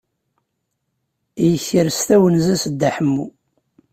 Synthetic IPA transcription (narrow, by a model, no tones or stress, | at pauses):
jəçiɾst̪æwənzæsəd̪ːaħəmːu